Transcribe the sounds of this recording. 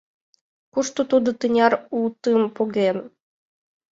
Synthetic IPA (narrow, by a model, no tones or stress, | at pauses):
kuʃt̪ut̪ud̪ɤ̆t̪ɨnʲɑɾult̪ɨmpoɣen